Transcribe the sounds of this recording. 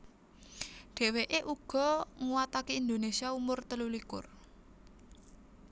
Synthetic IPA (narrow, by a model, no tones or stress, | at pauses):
ɖ̪̥e̤weʔeʔuɡ̥ɔ̤ŋuwat̪akeind̪onesiaumʊrt̪əlulikʊ̰r